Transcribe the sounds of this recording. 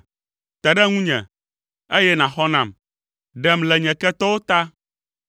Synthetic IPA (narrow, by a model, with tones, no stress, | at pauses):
t̪ɛ˨ɖɛ˦ŋũ˦ɲɛ̰̃˨ | e˦jɛ˦nã˨xɔ˦nã˨m | ɖɛ˨mlɛ˨ɲɛ̃˨kɛ˦t̪ɔ˦wo˦t̪a˦